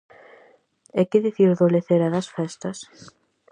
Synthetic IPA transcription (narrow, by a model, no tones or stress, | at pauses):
ɛkɪðiθiɾðoleθeɾɐðɐsfɛst̪ɐs